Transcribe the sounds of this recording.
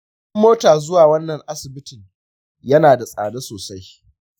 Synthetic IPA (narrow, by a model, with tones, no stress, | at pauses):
ɐ˦mːoː˦taː˨zʊ˦waː˨wɐ˦nːɐ˨ŋʔa˦sɪ˨bɪ˦tɪ˨ŋ | jɐ˦naː˨da˨sʼa̰ː˨da˦soː˨sa˦j